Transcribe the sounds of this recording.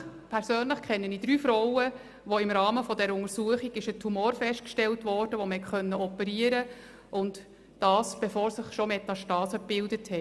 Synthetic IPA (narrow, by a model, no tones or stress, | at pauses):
pʰɛɾsøːnləχkʰχɛnːəniːd̥ɾyːfɾɔwə | ʋoɪmɾɑːməfɔdɛɾəʊŋəɾsuəχiɡ̥ɪʃətʰhumoːɾfɛʃt̚kʃtɛltʋɔːɾd̥əʋɔməhɛtχœnːəɔpəɾiːəɾə | ʔʊnt | d̥ɑːsb̥efoːɾsɪχʃɔmɛtɑʃtɑːsəpɪldəthɛ